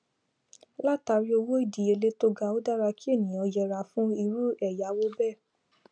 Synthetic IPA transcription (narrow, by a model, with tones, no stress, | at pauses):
la˦ta˧ɾi˦o˧wo˦i˦˨di˨e˧le˦to˦ɡa˧o˦da˦ɾa˧ki˦e˦˨nĩ˨ɔ˧jɛ˧ɾa˧˦fũ˦i˧ɾu˦ɛ˦˨ja˨˦wo˦bɛ˦˨